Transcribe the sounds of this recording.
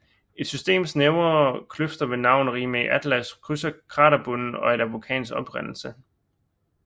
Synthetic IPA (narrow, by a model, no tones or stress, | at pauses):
e̝d̥sysd̥e̝̰ːmsneʊɐkʰløfd̥ɐʋe̝nɑ̈ʊ̰nʁiːmeiʔæd̥læskʰʁysɐkʰʁɑ̈ːɾɐb̥ɔnn̩ɒ̽e̝ɾ̥æʋukʰɛ̰ːnsɡ̥ɒ̽b̥ʁan̰l̩sə